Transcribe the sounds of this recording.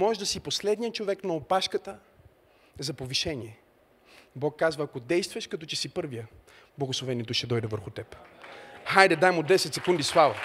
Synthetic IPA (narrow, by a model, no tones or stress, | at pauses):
mɔʒd̪ɐsiposlɛd̪nijət͡ʃovɛknɐopaʃkət̪ə | zɐpoviʃɛniɛ | bɔkːazvɐːkod̪ɛjst̪vɐʃkɐt̪ɔt͡ʃɛsipɤɾvijəblˠɐɡosˠovɛniɛt̪oʃɛd̪ɔjd̪ɛvəɾxʊt̪ɛp | xajd̪ɛd̪aɛmoɛsɛt̪sɛkund̪islˠavɐ